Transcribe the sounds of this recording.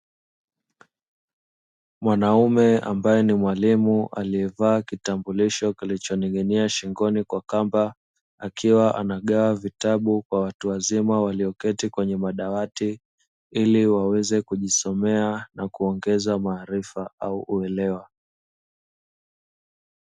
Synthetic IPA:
mwanaumɛa̰mbajɛnimwalimuʔa̰liɛvaːkitambuliʃɔkilit͡ʃɔniɠɛniaʃiŋɡɔnikwakamba | a̰kʰiwaʔa̰naɠaavitaɓukwawatuwazimawaliɔkɛtikwɛɲɛmaɗawati | iliwawɛzɛkuʄisɔmɛanakuɔŋɡɛzamaːɾifaauʔuɛlɛwa

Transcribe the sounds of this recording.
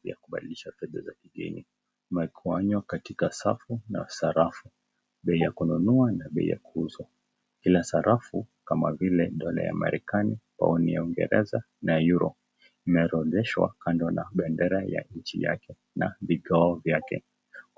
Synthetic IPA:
ja̰kuɓaɗiliʃafɛða̰zakiɡɛ̰ɲi | mɛkʰuaɲwakatikasa̰funa̰saɾafu | ɓɛijakununuanaɓɛḭja̰kuuzwa | kilasaɾʔafukamavilɛɗɔla̰ja̰ma̰ɾɛkanipa̰ɔnijauŋɡɛ̰ɾɛza | najuɾɔ | imɛɾɔðɛʃwa̰kandɔnaɓɛndɛɾaja̰ɲ̩t͡ʃija̰kɛ | naviɡaɔvjakɛ̰

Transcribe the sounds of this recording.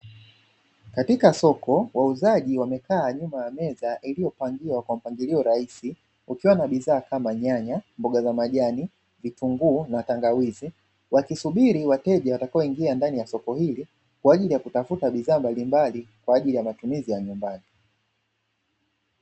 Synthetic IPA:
katikasɔkɔwauzaʄiwamɛkaːɲumajamɛzaʔilijɔpaŋɡiwakwam̩paŋɡiliɔɾaisi | ukiwanaɓizaːkamaɲaɲambɔɠazamaʄani | vituŋɡuːnataŋɡawizi | wakisuɓiɾiwatɛʄawatakaɔiŋɡiandanijasɔkɔhili | kwaːʄilijakutafutaɓizaːmbalimbalikwaːʄilijamatumizijaɲumbani

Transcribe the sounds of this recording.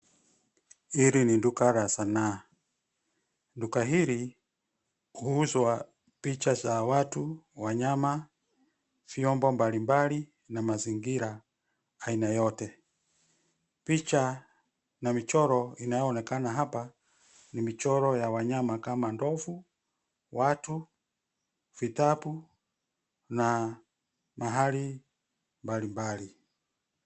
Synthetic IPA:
iɾinindukaɾasana | ndukaɦiɾi | kuhuzwa | pit͡ʃat͡ʃawatuwaɲama | fiɔmbɔmbalimbali | namaziŋɡiɾaː | inajɔtɛ | pit͡ʃa | namit͡ʃɔɾɔinajɔːnɛkanaɦapa | nimit͡ʃɔɾɔjawaɲamakamandɔfu | watu | v̥itapu | na | maɦali | mbalimbali

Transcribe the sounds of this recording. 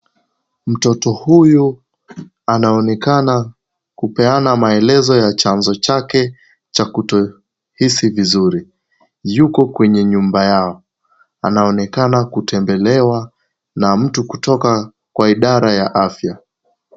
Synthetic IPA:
m̩tɔtɔhuju | anaɔnɛkana | kupɛanamaɛlɛzɔjat͡ʃanzɔt͡ʃakɛ | t͡ʃakutɔ | hisivizuɾi | jukɔkwɛɲɛɲumbajaɔ | a̰naɔnɛkanakutɛmbɛlɛwa | nam̩tukutɔka | kwaiɗaɾajaʔafja

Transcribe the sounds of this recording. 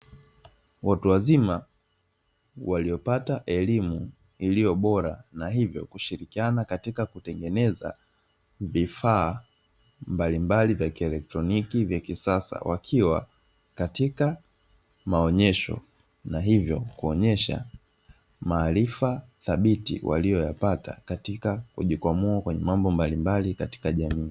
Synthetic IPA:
wʔatuwazima | walijɔpataʔɛlimu | ilijɔɓɔɾanaɦivjɔ̰kuʃiɾikianakatikakutɛŋɡɛnɛza̰ | vifaː | mbalimbalivjakiɛlɛk̚tɾɔnikivjakisasa̰wʔakʰiwa | katika | maɔɲɛʃɔ̰ | naɦivjɔkuɔɲɛʃa̰ | maːlifaθaɓitḭwʔa̰lijɔjapata̰katikakuʄikwamuakwɛɲɛ̰mambɔmbalimbalikati̥kaʄamiː

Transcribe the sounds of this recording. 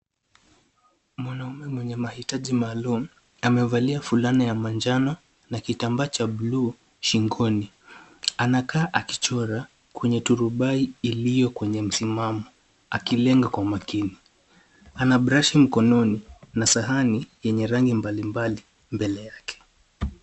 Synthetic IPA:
mwanaumɛmwɛɲɛmahitaʄimaːlumu | amɛvaliafulanajamaɲd͡ʒanɔ | nakitambat͡ʃablu | ʃiŋɡɔni | anakaːʔaki̥t͡ʃɔɾa | kwɛɲɛtuɾuɓaiːlijɔkwɛɲɛm̩simamɔ | akilɛŋɡakwamakini | anaɓɾaʃim̩kɔnɔninasaɦanijɛɲɛɾaŋɡimbalimbali | mbɛlɛjakɛ̥

